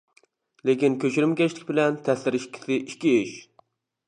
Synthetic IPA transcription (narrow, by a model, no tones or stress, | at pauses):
lekʲinkʲʰøt͡ʃyɾymkʲɛʃlɪkʲbɪlɛnt̪ʰɛslɪɾɪʃkʲʰi̥sɪʔikʲːiiʃ